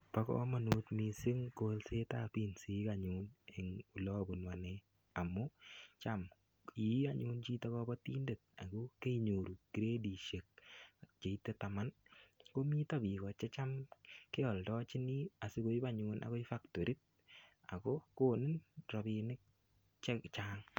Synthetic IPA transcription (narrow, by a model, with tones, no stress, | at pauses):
pa˦kɔ̰ma˨nuː˨tmi˨sɪ˦ŋko˦lse˦tapi˦nsi˦ka˨ɲune˨ŋu˨lɔ˦bu˨nwa˨ne | a˨mʊ˦t͡ʃam | ia˦ɲu˦nt͡ʃi˦ta˦kɔbɔ˦tiː˦nde˨t̚a̰˨ko˦ke˦i˨ɲo˨ɾu˨ki˨ɾe˦di˨ʃe˨k̚t͡ʃe˨i˦tːe˦ta˨ma˦nko˦mi˦ta˦bi˨kɔ˨t͡ʃɛ˦t͡ʃa˦mke˦ɔ˨ldɔ˦t͡ʃɪ˦ni˦a˨sɪ˦ko˦i˦ba˦ɲunʔa̰˨kɔ˦i˦fa˦kto˨ɾi˦t̚ | a̰˨kɔ˦koː˦nɪ˦nɾɔ˨bi˧nɪ˦k̚ | t͡ʃɛt͡ʃaːŋ